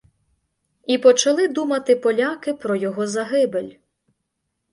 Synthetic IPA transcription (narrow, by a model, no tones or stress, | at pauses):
ipɔt͡ʃɐlˠɪd̪umɐt̪ɪpɔlʲakɪpɾɔjɔɦɔzɐɦɪbelʲ